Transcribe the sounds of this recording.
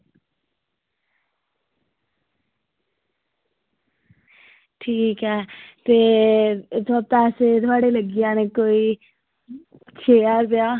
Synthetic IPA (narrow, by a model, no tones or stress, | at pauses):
ʈʰiːkɦɛt̪e | t̪ʰapt̪aːset̪ʰwaːɽeləɡijanekoi | t͡ʃʰeaɾb̪ja